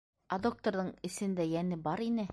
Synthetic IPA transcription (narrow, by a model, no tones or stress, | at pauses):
ɐd̪ok̚t̪oɾðɤɴɘ̆sɘ̆nd̪æjænɘbɑɾinɘ